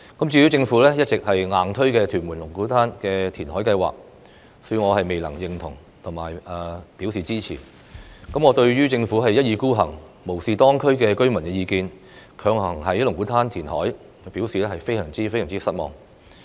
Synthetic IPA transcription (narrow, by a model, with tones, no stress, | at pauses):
kɐ˨˥mt͡syː˧ji˨˥t͡sɪ˧ŋfuː˨˥lɛː˥jɐ˥t̚t͡sɪ˨k̚hɐ˨jŋaː˨˧nt̪ʰɵ˥ɥkɛː˧t̪ʰyː˨˩nmwuː˨˩nlʊ˨˩ŋkuː˨˥t̪ʰaː˥nkɛː˧t̪ʰiː˨˩nhɔː˨˥jkɐ˧jwa̰ː˨k̚ | sɔ̥˨˥jyː˧ŋɔː˨˧hɐ˨jme˨jlɐ˨˩ŋjɪ˨ŋt̪ʰʊ˨˩ŋ | t̪ʰʊ˨˩ŋmaː˨˩jɐː˨˩piː˨˥wsiː˨t͡siː˥t͡sʰḭː˨˩ | kɐ˨˥mŋɔː˨˧t̪ɵ˧ɥɥyː˥t͡sɪ˧ŋfuː˨˥ɦɐ˨jːɐ˥t̚jiː˨˧kuː˥ɦɐ˨˩ŋ | mo˨˩wsiː˨˧t̪ɔː˥ŋkʰɵ˥ɥkɛː˧kɵ˥ɥmɐ˨˩nkɛː˧jiː˧kiː˧n | kʰœː˨˧ŋhɐ˨˩ŋɦɐ˨jɐ˥lʊ˨˩ŋku˨˥t̪ʰaː˥nt̪ʰiː˨˩nhɔ̰ː˨˥j | pi˨˥wsiː˨lɛː˥hɐ˨jfe˥jsɐː˨˩ŋt͡siː˥fjsœː˨˩ŋt͡si˥˧sɐ˥t̚mɔ̰ː˨ŋ